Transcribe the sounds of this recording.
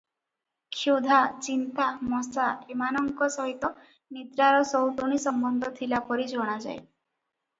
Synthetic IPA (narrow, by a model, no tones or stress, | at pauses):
kʰjud̪ʱat͡ʃint̪amɔsaemanɔŋkɔsɔɦit̪ɔ | nid̪ɾaɾɔsɔwt̪oɽ̃isɔmbɔnd̪ʱɔt̪ʰilapɔɾid͡ʒʱɔɽ̃ad͡ʒa̰j